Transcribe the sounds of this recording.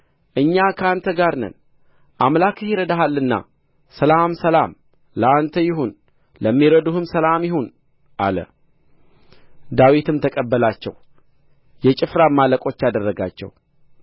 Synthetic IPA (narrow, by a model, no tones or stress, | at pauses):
ʔɨɲːakʰəant̪ʰəɡaɾnə̰n | ʔamlakɨhiɾəd̪aɦalːɨnːa̰ | səlamsəlam | ləant̪ʰəjɪhun | ləmːiɾəd̪uhɨmsəlamjɪhun | ʔa̰lə̰ | d̪awit̪ʰɨmt̪ʰəkʼəbːəlat͡ʃːɛ̰w | jɛt͡ʃʼɪfɾamːaləkʼo̞t͡ʃːad̪ərːəɡa̰t͡ʃːɛ̰w